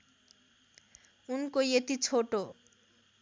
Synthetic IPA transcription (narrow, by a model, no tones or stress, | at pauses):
unkojet̪it͡sʰoʈo